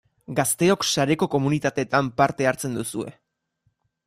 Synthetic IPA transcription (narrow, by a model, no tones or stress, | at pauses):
ɡast̪e̞o̞ksaɾe̞ko̞ko̞munit̪at̪e̞t̪ampaɾt̪e̞aɾt͡se̞nd̪usue̞̰